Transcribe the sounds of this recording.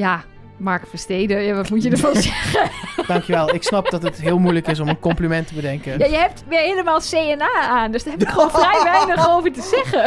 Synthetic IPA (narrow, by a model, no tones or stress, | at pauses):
ja | maɹkfəsteːdəjaʋɔtmutjədəfonsɛɣəd̥ɑŋkjəʋɛlˠɪksnɑp̚dɔtətɦɪəlˠmujləkɪs̬ɔmənkɔmplimɛntəbədɛŋkəjajəhɛp̚tʋɪeːləmaːlˠseːɛnaːaːndøsd̥əɦɛbkxʋoːnfrɛjʋɛjnəxowvərtəsɛɣə